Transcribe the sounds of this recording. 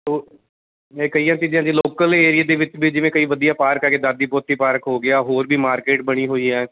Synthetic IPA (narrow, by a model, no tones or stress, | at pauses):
t̪oː | eːkəiːjãːt͡ʃiːd͡ʒãːd͡ʒiːloːkəleːɾɪjaːd̪eːʋɪt͡ʃbiːd͡ʒɪʋẽːkəiːʋəd̪ijãːpaːɾkɛːkeːd̪aːd̪iːpoːt̪iːpaːɾkɦoːɡɪaːɦoːɾbiːmaːɾkeːʈ̚bəɽ̃iːɦoːiːɛː